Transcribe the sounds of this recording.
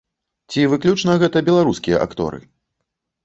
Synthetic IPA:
t͡sʲivɨklʲut͡ʂnɐɣɛt̪ɐbʲɛlˠaɾuskʲijɐ̰ʔa̰kt̪ɔ̰ɾɨ̰

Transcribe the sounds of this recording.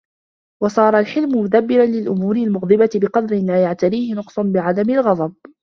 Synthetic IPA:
wɑsˤɑːɾˤɑlħɪlmʊmʊd̪abːɪɾanlɪlʔʊmuːɾɪlmʊɣd̪ˤɨbat̪ɪbɪqɑd̪ɾɪlaːjaʕt̪aɾiːhɪnʊqsˤʊnbɪʕad̪amɪlɣɑd̪ˤɑb̚

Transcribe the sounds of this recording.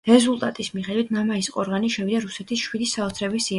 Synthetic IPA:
ɾɛzulˠt̪ʼat̪ʼismiχɛd̪wit̪ʰmamaisqʼɔɾʁaniʃɛvid̪aɾusɛt̪ʰisʃwid̪isaɔt̪sʰɾɛbisi

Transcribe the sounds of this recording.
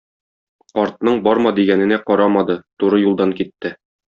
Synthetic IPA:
qɒɾt̪nɤɴbɒɾmɑd̪iɡænɘ̆næqɒɾɑmɑd̪ɤt̪uɾɤjulˠd̪ɑŋkit̪ːɘ

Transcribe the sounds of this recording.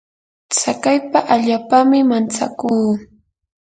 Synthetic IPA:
t͡sakajpaʔaʎaːpamɪmant͡sa̰kuː

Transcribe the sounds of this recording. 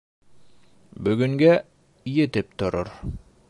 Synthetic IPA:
bɵ̆ɡɵ̆ŋɡæ | jɘ̆t̪ɘp̚t̪ŏɾoɾ

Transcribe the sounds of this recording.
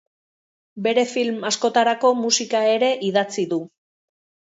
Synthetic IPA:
be̞ɾe̞filmasko̞t̪aɾako̞musikae̞ɾe̞ʔiðat͡siðu

